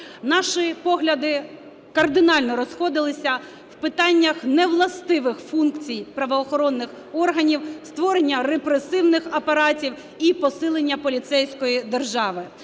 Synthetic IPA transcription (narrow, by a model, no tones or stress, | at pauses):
nɑʃɪpɔɦlʲɐd̪ɪ | kɐrd̪ɪnɑlʲnɔɾɔsxɔd̪ɪlˠɪsʲɐ | wpɪt̪ɑnʲːɐxnɛʋlˠɐst̪ɪʋɪxfunkt͡sʲijpɾɐʋɔːxɔɾɔnːɪx | ɔrɦɐnʲiwst̪ʋɔɾenʲːɐrepɾesɪwnɪxɐpɐɾɑtʲiw | ipɔsɪlˠenʲːɐpɔlʲit̪sɛjsʲkɔjid̪erʒɑʋɪ